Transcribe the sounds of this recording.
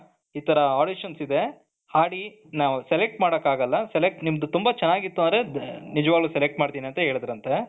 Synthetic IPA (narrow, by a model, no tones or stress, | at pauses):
iːt̪ʰɐɾɐaːɖiʃɐnsid̪e̞ | haːɽi | naːʋselek̚ʈmaːɽɐkːaːɡɐlːɐsɛlek̚ʈnimɐd̪ut̪umbɐt͡ʃɛnːaːɡit̪ːond̪ɾe̞nid͡ʒɐʋaːɡlusɛlek̚ʈmaːɽt̪iːniɐnt̪ɐɦe̞ːɭid̪ɾɐnt̪e̞